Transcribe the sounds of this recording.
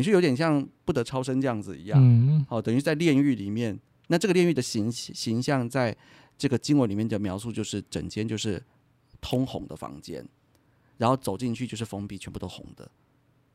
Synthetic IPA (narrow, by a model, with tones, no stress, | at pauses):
ɻ̩˥jo˧˥jɛ˨˩nɕjɑ˥˧ŋpu˥˩ɤ˧˥ʈ͡ʂʰɑ˥ʊʂə˥nʈ͡ʂɤ˥˧jɑ˥˩ŋd͡zɹ̩˨˩ḭ˧˥jɑ̰˥˩ŋɔ˥˩t̪ə˨˩ŋy˧˥t͡sa˥˧ljɛ˥˧ny˥˩li˨˩mjɛ˥˩n | na˥˧ʈ͡ʂɤ˥˩ɡə˩ljɛ˥˧ny˥˩d̪ə˩ɕi˧˥ŋɕi˧˥ŋɕjɑ˥˧ŋt͡sa˥˧ɪ | ʈ͡ʂɤ˥˩ɡə˩t͡ɕi˥ŋwə˧˦nli˨˩mjɛ˥˩nd̪ə˩mjɑ˧˥ʊsu˥˧t͡ɕjo˥˧ʊʂɻ̩˥˩ʈ͡ʂə̰˨˩ŋt͡ɕjɛ˥nt͡ɕjo˥˧ʂɻ̩˥˩ | t̪ʰʊ˥ŋxʊ̰˧˥ŋd̪ə̰˨fɑ̰˧˥ŋt͡ɕjɛ̰˥n | ɻa˧˥nxo˥˩ʊt͡so˨˩ʊt͡ɕi˥˧nt͡ɕʰy˥˧t͡ɕjo˥˧ʂɻ̩˥˩fo˧˥ŋpi˨˩t͡ɕʰɥɛ˧˥npu˥˩o˥ʊxʊ̰˧˥ŋd̪ə̰˦